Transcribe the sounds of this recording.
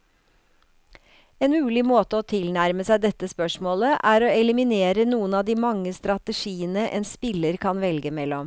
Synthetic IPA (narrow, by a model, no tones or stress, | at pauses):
eːnmʉːlɪmoːt̪əɔt̪ʰɪlnæɾməsæɪd̪ɛt̪ːəspœʂmoːləʔæɾoːɛlɪmɪneːɾənuːənɑːd̪iːmɑŋːəst̪ɾɑt̪əʂiːənəʔɛ̰nspɪləɾkʰɑnʋɛlɡəmɛlːɔm